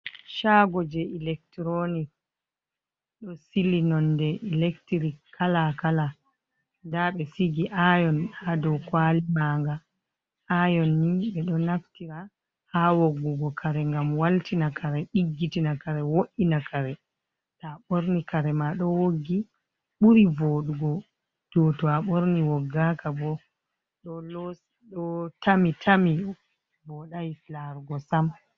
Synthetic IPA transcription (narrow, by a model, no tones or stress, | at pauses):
ʃaɡɔd͡ʒɛilɛk̚tɾonik̚ | ɗɔsilinɔndɛʔilɛktiɾikːʰalakala | ndaɓɛsiɡiʔajɔnhadɔwkwalimaŋɡa | ajɔnːiɓɛɗɔnaftiɾa | hawoɡːuɡɔkʰaɾɛŋɡamwaltinakaɾɛɗiɡːitinakaɾɛwoʔinakʰaɾɛ | taɓoɾnikaɾɛmaɗɔwoɡi | ɓuɾivoːɗuɡɔ | tɔtɔaɓoɾniwɔɡːakabɔ | ɗɔlɔs | ɗɔtamitʰami | bɔɗajiflaɾuɡɔsam